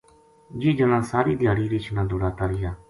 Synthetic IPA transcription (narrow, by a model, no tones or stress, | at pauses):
d͡ʒiːd͡ʒəlãːsaːɾiːd̪ʱɪjaːɽiːɾit͡ʃʰnãːd̪oːɽaːt̪aːɾɪjaː